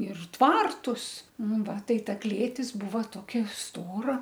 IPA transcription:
ɪr ˈtʋɐrtʊs ˈnʊ ˈʋɐ ˈtɐɪ ˈtɐ ˈklʲeːtʲɪs ˈbuːʋɐ ˈtoːkʲɛ ˈstoːrɐ

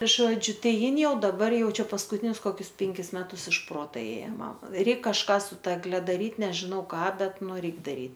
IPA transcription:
ˈʒoːd͡ʒʲʊ ˈtɐɪ ˈjɪn ˈjɛʊ dɐˈbɐr ˈjɛʊ ˈt͡ʃʲɛ pɐskʊˈtʲɪnʲʊs koːˈkʲʊs ˈpʲɛŋʲkʲɪs ˈmʲæːtʊs ɪʃ ˈproːtɐ ˈeːjɛ ˈmɐm ˈrʲɛɪk kɐʃˈkɑː sʊ ˈtɐ ɛɡˈlʲɛ dɐˈrʲiːt nʲɛʒʲɪˈnɐʊ ˈkɑː ˈbʲɛt ˈnʊ ˈrʲɛɪk dɐˈrʲiː

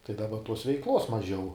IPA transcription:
tɐɪ dɐˈbɐ toːs ʋʲɛɪˈklˠoːs mɐˈʒʲɛʊ

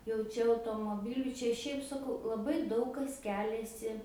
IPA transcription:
jɛʊ ˈt͡ʃʲɛ ɐʊtoːmoːˈbʲɪlʲuː ˈt͡ʃʲɛ ˈʃʲɛɪp sɐˈkɐʊ lˠɐˈbɐɪ ˈdɐʊk kɐs ˈkʲæːlʲɛsʲɪ

